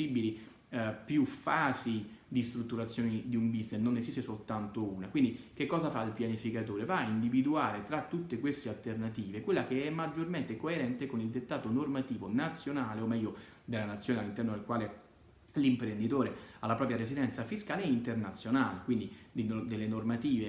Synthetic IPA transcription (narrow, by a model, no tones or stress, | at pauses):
ibili | pjufaːzid̪ist̪ɾut̪ːuɾat̪sːjoːnid̪iumbisnesnonezist̪esolt̪ant̪ouːnakwind̪ik̟ekːɔːzafailpjanifikat̪oːɾevaind̪ivid̪uaːɾet̪ɾat̪ːut̪ːekwest̪ealt̪ernat̪iːvekwelːakeɛmːad͡ʒːorment̪ekoeɾɛnt̪ekonild̪et̪ːaːt̪onormat̪iːvonat̪sːjonaːleomːɛjːo | d̪elːanat̪sːjoːnealːint̪ɛrnod̪elkwaːle | limpɾend̪it̪oːɾealːapɾɔːpɾjaɾezid̪ɛnt̪safiskaːleint̪ernat̪sjonaːlekwind̪id̪inod̪elːenormat̪iːve